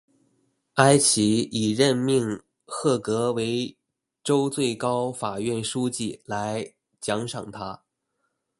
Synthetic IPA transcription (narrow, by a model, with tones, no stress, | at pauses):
a˥ɪt͡ɕʰi˧˥i˨˩ɻə˥˧nmi˥˧ŋ | xɤ˥˩kɤ˧˥we˧˥ɪ | ʈ͡ʂo˥ʊt͡swe˥˩ɪkɑ˥ʊfa˨˩ɥɛ˥˩nʂu˥t͡ɕi˥˩la˧˥ɪ | t͡ɕjɑ˧˥ŋʂɑ̰˨˩ŋt̪ʰa˥